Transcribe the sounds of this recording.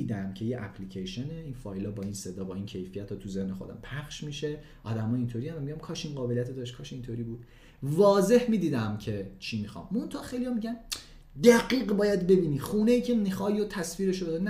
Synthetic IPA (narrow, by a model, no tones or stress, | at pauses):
d̪æmcʰe̞jeʔæ̰pʰlicʰejʃeneinfɒːjlɒːbɒːiːnse̞d̪ɒːbɒːiːncʰe̞jfijæt̪ʰːɒːt̪ʰuze̞hne̞xo̞d̪æ̰mpʰæxʃmiːʃe | ʔɒːd̪æmɒːjiːnt̪ʰoɾiːænd̪æmiɟæmkʰɒːʃinɢɒːbelijæt̪ed̪ɒʃ̬tkʰɒːʃeint̪ʰoɾiːbuːd̪ | vɒːze̞hmiːd̪iːd̪æmcʰe̞t͡ʃʰimixɒ̰mːont̪ʰɒːʔχxejlijɒːmiɟæn | d̪æɡiːɢbɒːjæd̪be̞biːniːχuːne̞iːcʰe̞mixɒːjot̪ʰæsfiːɾe̞ʃobed̪unn